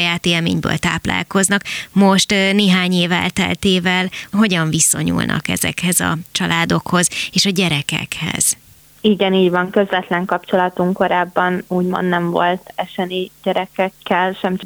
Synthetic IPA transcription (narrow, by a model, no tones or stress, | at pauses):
jaːt̪eːlmḛːɲbø̰ːlt̪a̰ːpla̰ːlko̞znɒkmo̞ʃt̪neːɦaːɲeːvɛ̰lt̪ɛ̰lt̪eːvɛlɦo̞ɟɒɱviso̞ɲṵlnʔɒ̰kɛ̰zɛ̰khɛzɒ̰t͡ʃɒlʔaːd̪o̞kho̞zeːʃɒɟɛɾɛkɛ̰khɛ̰z̥ | iɡɛniːɟvɒŋkø̞zvɛt̪lɛŋkɒpt͡ʃo̞lɒt̪uŋko̞ɾaːbːɒnuːɟmo̰nd̪nɛɱvo̞̰lt̪ɛʃɛniɟɛɾɛkɛkːɛlʃɛmt͡ʃ